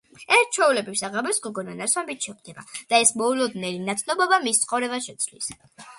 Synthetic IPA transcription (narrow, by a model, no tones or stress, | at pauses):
ɛɾt͡ʃʰwɛulɛbifsaʁamɔsɡɔɡɔnanaɾswambit̪ʰʃɛχd̪ɛba̰d̪̥aɛsmɔulɔd̪nɛlinat̪ʰnɔbɔbamist̪sʰχɔvɾɛbaʃɛt̪sʰvlḭs